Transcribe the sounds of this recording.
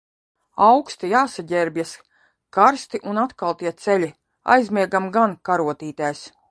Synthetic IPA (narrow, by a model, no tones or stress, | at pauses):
awkst̪ijaːsaɟʲɛɾbʲjɛs | kaɾst̪iʔunat̪kalˠt̪iɛt̪sɛlʲi | a̰jzmʲiɛɡamɡankaɾuɔt̪iːt̪ajs